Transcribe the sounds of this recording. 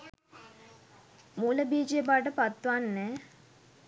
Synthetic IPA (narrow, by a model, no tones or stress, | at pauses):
muːləbiːd͡ʒebaːʈ̬əpat̪ːʋanːɛː